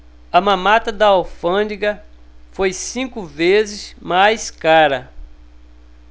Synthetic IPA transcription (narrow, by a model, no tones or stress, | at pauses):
ɐmɐ̃mat̪ɐd̪ɐawfɐ̃d͡ʒiɡɐ | fojsĩkʊvezɪzmajskaɾɐ